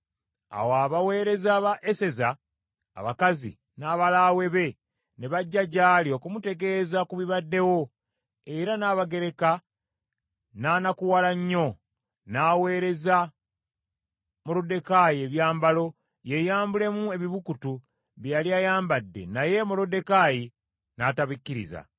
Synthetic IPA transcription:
a̰woaβawe̞ːɾe̞zaβaʔese̞za̰ː | βakazḭ | naːβalawe̞βe̞ | neβaɟːaɟaːlio̞kumute̞ɡe̞ːzakuβiβadːe̞wo̞ | e̞ɾanaːβaɡe̞ɾe̞ka | naːnakuwalaɲːo̞ | naːwe̞ːɾe̞za | molode̞kajie̞βjaːmbalo̞ | je̞jaːmbule̞mue̞βiβukutu | βjjaliajaːmbadːe̞̰naje̞molode̞kaji | nataβikːiɾḭza̰

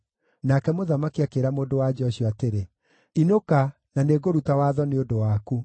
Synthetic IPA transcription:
nakɛmoðamakiakeɾamoːdowad͡ʑɔɕiɔateɾe | inoka | naneːɡoɾutawaːðɔneodowaːku

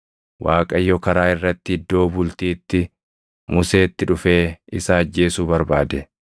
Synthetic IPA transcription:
wʔaːkʼɐjːɔkɐɾaːɪrːɐt̪ːɪɪd̪ːo̞ːbʊlt̪iːt̪ːɪ | mʊse̞ːt̪ːɪᶑʊfe̞ːɪsaɐd͡ʒːe̞ːsuːbɐɾbaːd̪ɛ

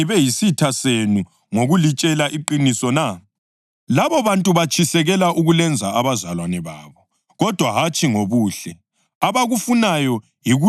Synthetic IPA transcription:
iβɛjisitʰasenu | ŋoɣulit͡ʃʼɛlaʔiǃinisɔna | laβɔβantʼuβat͡ʃʰisɛɣɛlaʔuɣulɛnd͡zʱaːβazalwanɛβaːβɔ | ɣɔd̥ʱwaɦat͡ʃʼiŋoβuːɬɛ | aβaɣufunajɔ | jiɣu

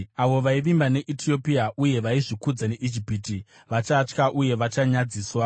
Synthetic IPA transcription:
aʋo̞ʋaiʋimbane̞ʔitʰio̞piaʔuje̞ʋaiʐikud͡zaneʔid͡ʒipiti | ʋat͡ʃat͡ʃkaʔuje̞ʋat͡ʃaɲad͡ziːswa

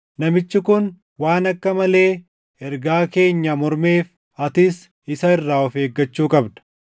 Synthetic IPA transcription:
nɐmɪt͡ʃːɪkʊn | waːnɐkːɐmɐle̞ː | ɛɾɡaːke̞ːɲːɐmɔɾme̞ːf | ɐt̪ɪs | ɪsɐɪrːaːɔfe̞ːɡːɐt͡ʃːuːkʼɐbd̪ɐ̥

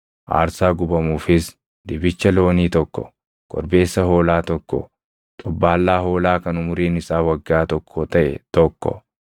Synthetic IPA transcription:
ʔa̰ːɾsaːɡʊbɐmuːfɪs | d̪ɪbɪt͡ʃːɐloːniːt̪ɔkːɔ̰ | kɔ̰ɾbe̞ːsːɐɦo̞ːlaːt̪ɔkːɔ̰ | t̪ʼɔbːaːlːaːɦo̞ːlaːkɐnʊmʊɾiːnɪsaːwɐɡːaːt̪ɔkʰːɔt̪ɐʔɛ̰t̪ɔkːɔ̰

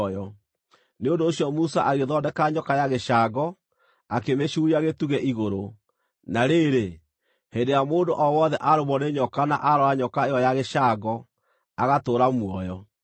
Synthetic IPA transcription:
jɔ | neondoːɕjɔmusaʔaɣeðɔdɛkaɲɔkajaɣeʃaɡɔ | akemeɕuːɾiaɣetuɣɛʔiɣoɾo | naɾeɾe | hendejamoːndoʔɔwɔðɛʔaɾoβɔneɲɔkana̰ʔaɾɔaɲɔkaejɔjaɣeʃaːɡɔ | aɣatoːɾamwɔjɔ

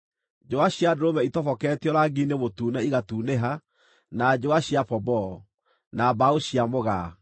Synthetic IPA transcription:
d͡ʒoaɕiadoɾomɛitɔfɔkɛtjɔɾaɡinemotuːnɛiɣatuːneɦa | nad͡ʒoaɕiapɔbɔ | nabaoɕiamoɣa

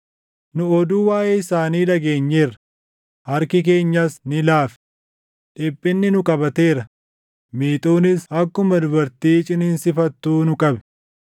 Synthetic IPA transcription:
nʊɔd̪uːwaːjeːɪsaːniːlɐɡe̞ːɲːeːrɐ | hɐɾkɪk̬e̞ːɲːasnɪlaːfɛ̥ | ᶑɪpʼːɪnːɪnʊkʼɐbɐt̪e̞ːɾɐ | miːt̪ʼuːnɪshɐkːʊmɐd̪ʊbɐɾt̪iːt͡ʃʼɪnɪnsɪfɐt̪ːuːnʊkʼɐbɛ̥

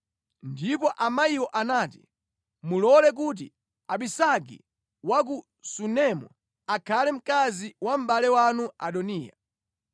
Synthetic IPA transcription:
ndipɔʔamaiwɔʔanaːti | mulɔlɛk̬ut̬ḭ | aɓisaɡḭ | wak̬u | sunɛmɔ̰ | akʰalɛm̩kaziwam̩ɓalɛwanua̰ɗɔniːja̰

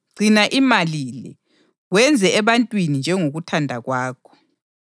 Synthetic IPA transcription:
ɡ͡ǀʱinaʔimalilɛ̰ | ɣwɛnd͡zʱɛːβantʼwinind͡ʒʱɛŋoɣutʰandʱaɣwaːkʰɔ̥

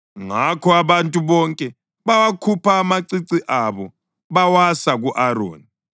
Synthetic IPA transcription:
ŋakʰɔaβantʼuβɔŋkʼɛ | βawakʰupʰaːmaǀiǀiʔaβɔ | βawasaɣuʔaɾo̰ːni

